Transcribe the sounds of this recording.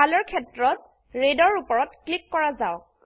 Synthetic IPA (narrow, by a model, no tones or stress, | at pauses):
alɔɹkʰɛtɹɔt | ɹedɔɹupɔɹɔtklikːɔɹazaʊ